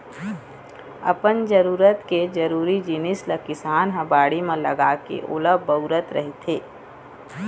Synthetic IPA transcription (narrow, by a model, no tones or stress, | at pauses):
ɐ̰pənd͡ʒəɾuːɾət̪ked͡ʒəɾuːɾid͡ʒinɪsləkɪsaːnɦəbaːɽimẽlə̰ɡaːkḛʔʊ̰ləbəʊɾət̪ɾə̰ɦit̪ʰeː